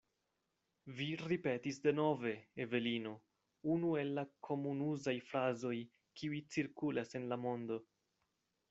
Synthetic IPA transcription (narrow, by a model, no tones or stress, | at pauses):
viɾipe̞tisde̞no̞ve̞ːve̞lino̞ | unue̞lːakʰo̞munuzajfɾazo̞j | kiujt͡siɾkulase̞nlamo̞ndo̞